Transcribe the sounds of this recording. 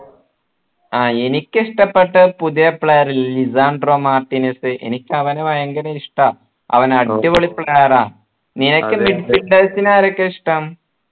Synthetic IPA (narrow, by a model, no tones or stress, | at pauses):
aːenikʲːɨiʂʈɐpːeʈːɨpuðijɐpːɭeːrlizaːɳɖroːmaːrʈːinɐsɨʔḛnikʲːɐʋɐneʋɐjeŋɡɐneiʂʈɐ | ɐ̰ʋɐnɐʈːiʋoɭipːɭaːraː | ninɐkːɨmiɖfiɳɖeːsinaːɾokːeiʂʈɐm